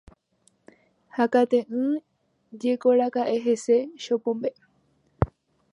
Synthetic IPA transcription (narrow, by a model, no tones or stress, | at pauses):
hakat̪ẽʔɨ̃ | d͡ʒekoɾakaʔeɦeseʃopõmbe